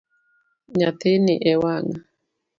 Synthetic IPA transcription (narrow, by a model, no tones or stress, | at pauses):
ɲat̪ɪnɪʔɛwaŋ